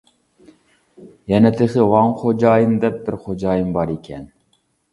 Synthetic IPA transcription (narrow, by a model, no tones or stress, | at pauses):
jɛnɛt̪ʰeχɨwɑŋχod͡ʒɑːjind̪ɛp̚bɪɾχod͡ʒɑːjimbɑɾikʲʰɛn